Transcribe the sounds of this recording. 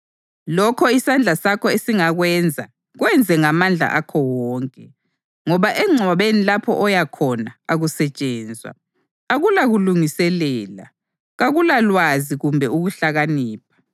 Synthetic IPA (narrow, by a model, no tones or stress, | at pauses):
lɔkʰɔisand͡ɮʱasakʰɔesiŋaɣwɛnd͡zʱa̰ | ɣwɛnd͡zʱɛŋamand͡ɮʱa̰ʔakʰɔwɔːŋkʼɛ | ŋɔβaʔɛŋ͡ǀʱɔβenilapʰɔ̰ʔɔjakʰɔnaaɣusɛt͡ʃʼɛːnd͡zʱwa̰ | aɣulaɣuluŋisɛlɛːla̰ | ɣaɣulalwaziɣumbʱɛuɣuɬaɣaniːpʰḁ